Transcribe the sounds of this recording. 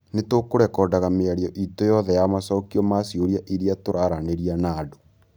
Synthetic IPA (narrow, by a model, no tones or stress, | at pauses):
netokoɾɛkɔdaɣameaɾjɔʔitojɔðɛjamasɔːkiɔmasioɾiaʔiɾiatoɾaɾaneɾianaːdo̥